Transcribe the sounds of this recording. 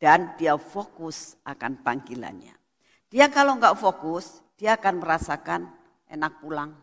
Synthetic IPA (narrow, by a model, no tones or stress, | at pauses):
d̥andiafokʊsʔakanpaŋɡila̰nɲa̰ | d̥iakaloŋɡaʔfokʊs | d̥iaːkanməɾasakan | ʔḛnak̚pulaŋ